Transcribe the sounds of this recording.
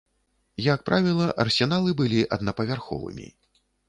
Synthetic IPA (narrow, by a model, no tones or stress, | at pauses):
jak̚pɾavʲilˠɐʔɐrsʲɛnalˠɨbɨlʲiʔɐd̪nɐpɐvʲarxɔ̰vɨ̰mʲḭ